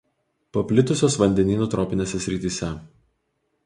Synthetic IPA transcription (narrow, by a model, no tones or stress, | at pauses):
pɐpʲlʲɪt̪ʊsʲoːsʋɐnʲd̪ʲɛnʲiːnuːt̪ɾɔːpʲɪnʲeːsʲɛsʲɾʲɪt̪ʲiːsʲɛ